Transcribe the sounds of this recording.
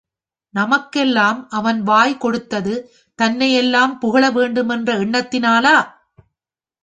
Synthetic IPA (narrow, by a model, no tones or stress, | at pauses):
nɐmɐkːɛlːaːmʔɐʋɐnʋaːjkɔɽɯt̪ːɐðɯ | t̪ɐnːɐjɛlːaːmpʊɣɐɭɐʋeːɳɖɯmɛndrɐɪɳːɐt̪ːɪnaːlaː